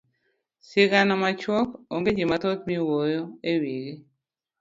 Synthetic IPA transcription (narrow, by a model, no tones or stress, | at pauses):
sɪɡanamat͡ʃwɔkoŋɡed͡ʒimat̪ɔt̪̚miwojoewiɡi